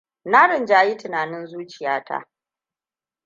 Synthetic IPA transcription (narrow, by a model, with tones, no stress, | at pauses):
na˦ɾɪ˨nd͡ʒaː˨ji˦tɪ˨naː˨nɪ˦nzuː˦t͡ʃɪ˨jaː˦ta̰˦ʔ